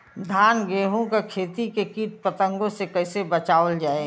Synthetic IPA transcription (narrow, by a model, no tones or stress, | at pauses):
d̪ʱaːnɡeːɦõkekʰeːt̪ikekiːʈ̚pət̪ə̃ŋɡõsekɐɪsebət͡ʃaːʋəld͡ʒaːe